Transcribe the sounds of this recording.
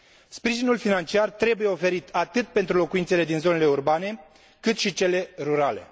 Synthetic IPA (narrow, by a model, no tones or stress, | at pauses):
spɾiʒinulfinant͡ʃiart̪ɾe̞buje̞o̞fe̞ɾit̪ʰat̪ɨt̪̚pent̪ɾulo̞kuint̪se̞le̞d̪inzo̞ne̞leurbane̞ | kɨt̪ʃit͡ʃe̞le̞ɾuɾale̞̰